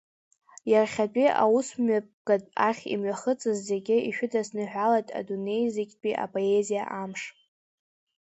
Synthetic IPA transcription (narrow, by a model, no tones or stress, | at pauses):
jarχʲat͡pʼiʔa̰wusmap̚ʼɡ̥adʼaχʲḭmɥaχət͡sʼɨzːeɡʲɪiʃᶣʊdasnɨħʷᶣalatʼa̰dune̞jzekʲʼpʼiʔa̰pʼoezija̰ʔamʂ